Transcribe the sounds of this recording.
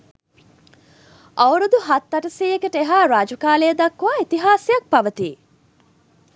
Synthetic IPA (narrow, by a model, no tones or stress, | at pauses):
ʔɐwɾud̪uɦɐt̪ːɐʈɐsiːekeʈeɦaːɾaːd͡ʒukaːleːd̪ɐkːuʋaːit̪iɦaːsijɐk̚pɐʋət̪iː